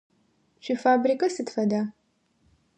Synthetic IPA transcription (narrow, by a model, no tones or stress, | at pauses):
ʃʰʷifaːbrikʼɐsɨtfɐdaː